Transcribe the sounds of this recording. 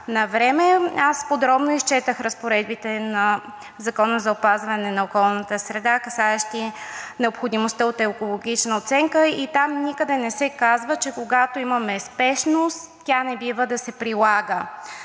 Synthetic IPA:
nɐvɾɛmɛaspod̪ɾɔbnoist͡ʃɛt̪əxɾəspoɾɛd̪bit̪ɛnɐ | zɐkɔnəzɐopazvɐnɛnɐokɔlˠnət̪əsɾɛd̪akɐsaɛʃt̪inɛopxod̪imost̪əot̪ɛokolˠoɡ̟it͡ʃnəot̪sɛŋkəit̪amnikəd̪ɛnɛsɛkazvət͡ʃɛkoɡat̪oimɐmɛspɛʃnost̪ːʲanɛbivəd̪ɐsɛpɾilˠaɡə

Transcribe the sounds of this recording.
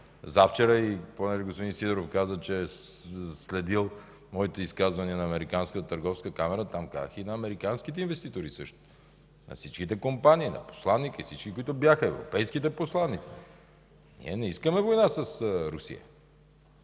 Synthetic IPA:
zaft͡ʃɛɾəiponɛʒɛɡospod̪insid̪ɛɾofkazət͡ʃɛ | slɛd̪ilˠ | mɔit̪ɛiskazvɐniɛnɐːmɛɾikanskət̪ət̪əɾɡɔfskəkamɛɾət̪amka̰zəxinɐːmɛɾikansk̟it̪ɛinvɛst̪it̪oɾisɤʃt̪o̥ | nɐ̰fsit͡ʃk̟it̪ɛkompaniːnɐ̰po̥slˠanːikəifsit͡ʃkʲikʊit̪ʊbjaxəɛvɾo̰pɛjskit̪ɛposlˠanːit̪si̥ | nḭɛnɛiskəmɛvojnasəsɾusḭə̰

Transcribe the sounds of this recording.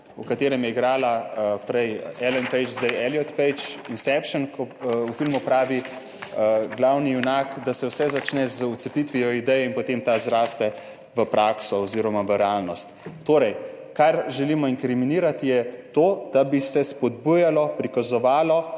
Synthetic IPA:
ukat̪eːɾɛmjɛɡɾaːlapɾɛjɛlɛnpɛjt͡ʃzd̪ɛjɛljɔt̪pɛjt͡ʃinsɛpʃənkɔufilmupɾaːʋi | ɡlawniunakd̪asɛwsɛzat͡ʃnɛzəut̪sɛpit̪ʋijɔid̪ɛjɛinpot̪eːmt̪azɾaːst̪ɛ | ʋəpɾʔaksɔɔziɾɔmaʋəɾɛalnɔst̪ːoːɾɛj | kaɾʒɛliːmɔiŋkɾiminiːɾat̪ijɛt̪oːd̪abisɛspɔd̪bujalɔpɾikazɔʋaːlɔ

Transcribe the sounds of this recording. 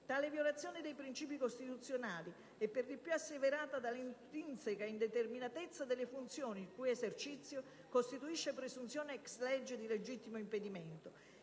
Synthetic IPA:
t̪aːlɪvjolat̪sːjɔːnid̪ejpɾint͡ʃiːpikost̪it̪ut̪sːjonaːli | ɛpːerd̪ipjuasːeveɾaːt̪ad̪alint̪t̪int̪sekaind̪ɛt̪erminat̪et̪sːad̪elɪfunt̪sjɔːnikujɛsert͡ʃit̪sːjo | kost̪it̪uiʃːepɾesunt̪sjɔːneɛkslɛd͡ʒːed̪iled͡ʒit̪ːimoimped̪imɛnt̪ʊ

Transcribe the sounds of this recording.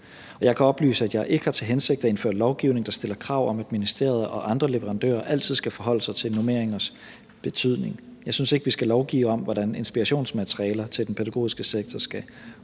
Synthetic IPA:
ɒ̽jɑ̈ɪkʰæɒ̽b̥ly̰ːsəæd̥jɑ̈ɪʔe̝ɡ̥əhɑ̈t͡sʰe̝lɦense̝ɡ̥d̥ɐe̝nfø̰ɐ̰d̥lɒʊɡ̥iʊ̰ne̝ŋd̥ɑ̈sd̥e̝l̰ɐkʰʁɑ̈ʊ̰ɒ̽mæd̥minisd̥e̝̰ɐ̰ð̞ˠɐʔɒ̽ʔɑ̈nd̥ʁɐle̝ʋəʁɑ̈nd̥ø̰ːɐʔæl̰t͡sʰiðˠsɡ̥æfɒ̽ɦɒ̽l̰əsɑ̈ɪt͡sʰe̝lnome̝ɐ̰eŋɐs | b̥e̝t͡sʰyð̞̰ˠne̝ŋjɑ̈ɪsynse̝ɡ̥əʋisɡ̥ælɒʊɡ̥ḭːʊɒ̽mʋɒd̥æne̝nsb̥iʁɑɕo̝̰ːnsmæt͡sʰʁiɛːlɐt͡sʰe̝ld̥enpʰeɾæɡ̥o̝̰ːisɡ̥əseɡ̥̚t͡sʰɒsɡ̥æ

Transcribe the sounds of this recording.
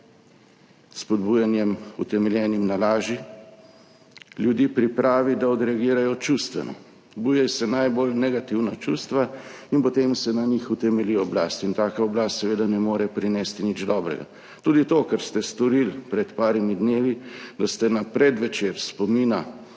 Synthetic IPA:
spɔd̪buːjanjɛmṵt̪ɛmɛljɛːnimnalaːʒi | ljud̪iːpɾipɾaːʋid̪aɔd̪ɾɛaɡiːɾajɔt͡ʃust̪ʋɛnɔ̰ | bujɛjsɛnajbolnɛɡat̪iwnat͡ʃuːst̪ʋainpɔt̪emsɛnanixut̪ɛmɛliɔblaːst̪int̪aːkaɔblaːst̪sɛʋeːd̪anɛmoːɾɛpɾinɛst̪inid͡ʒd̪ɔːbɾɛ̰ɡa̰ | t̪uːd̪it̪okɛɾst̪ɛst̪ɔɾilpɾɛt̪paːɾimid̪neːʋid̪ast̪ɛnapɾɛd̪ʋɛt͡ʃeɾspɔmiːna

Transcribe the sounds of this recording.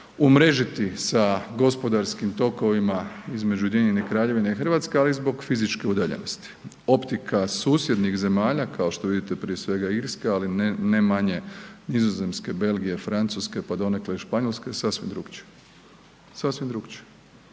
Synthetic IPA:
umɾe̞ʒit̪isaɡo̞spo̞d̪aɾskimt̪o̞ko̞ʋimaizme̞d͡ʒud̪jeɲenekɾaːʎe̞ʋineixr̩ʋat̪skealizbo̞ɡfizit͡ʃke̞ud̪aʎḛnost̪i̥ | o̞pt̪ikasuːsje̞d̪nixze̞maːʎakao̞ʃt̪o̞ʋid̪it̪epɾiesʋe̞ɡaiɾskealinnemaɲe̞nizoze̞mske̞be̞lɡije̞fɾant̪suske̞pad̪o̞ne̞kleiʃpaɲolˠskesasʋimd̪ɾuːɡt͡ʃe̥ | sasʋimd̪ɾuɡt͡ʃe̥

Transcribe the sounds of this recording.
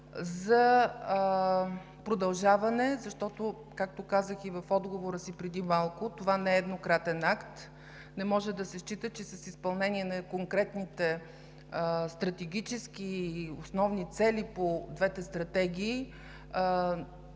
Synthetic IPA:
zɐ | pɾod̪ɐlˠʒavɐnɛzɐʃt̪ɔt̪o | kak̚t̪okazəxivɐfɔd̪ɡovoɾəsipɾɛd̪imalˠkʊt̪ovanɛːd̪nokɾat̪ɛnakt̪ | nɛmɔʒɛd̪ɐsɛʃt͡ʃit̪ət͡ʃɛsɐsispɐlˠnɛniɛnɐkoŋkɾɛt̪nit̪ɛ | st̪ɾɐt̪ɛɡʲit͡ʃɛsk̟iosnɔvnit̪sɛlipod̪vɛt̪ɛst̪ɾɐt̪ɛɡʲiː

